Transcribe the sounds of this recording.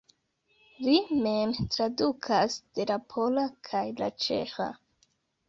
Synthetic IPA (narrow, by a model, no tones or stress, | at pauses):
limemtɾadukʰasd̥e̞lapʰo̞lakʰajla̰t͡ʃe̞̰xa̰